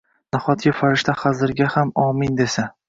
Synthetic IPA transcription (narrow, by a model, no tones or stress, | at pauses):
naχɒt̪ʰjɪfaɾɪʃt̪ʰaχazɪɾɡʲahamɒmɪnd̪esa